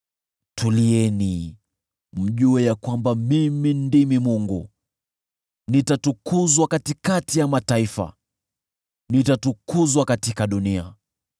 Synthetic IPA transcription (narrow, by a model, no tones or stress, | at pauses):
tuliɛni | m̩ʄuɛjakwambamimindimimuŋɡu | nitatukuzwakatikatijamataifa̰ | nitatukuzwakatikaɗunia̰